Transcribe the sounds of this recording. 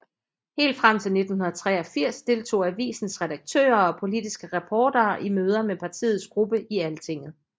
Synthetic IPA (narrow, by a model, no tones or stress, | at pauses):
he̝̰ːld̥fʁam̰t͡sʰe̝lne̝d̥n̩hunɐð̩ˠt͡sʰʁɛ̰ːɒ̽fiɐ̰sd̥e̝lt͡sʰo̝̰ːæʋḭːsn̩sʁɛɾɑ̈ɡ̥̚t͡sʰø̰ːɐɒ̽pʰo̝lid̥isɡ̥əʁɑpʰɒːd̥ɐːʔimøːð̞ˠɐmepʰɑ̈t͡sʰḭːð̩ˠsɡ̥ʁub̥əʔiælət͡sʰe̝ŋ̰ð̩ˠ